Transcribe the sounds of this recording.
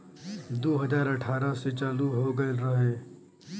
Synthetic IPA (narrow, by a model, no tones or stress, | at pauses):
d̪oːɦəd͡ʒaːɾəʈʰaːɾaset͡ʃaːld̪uɦoːɡɐeɾɐɦẽː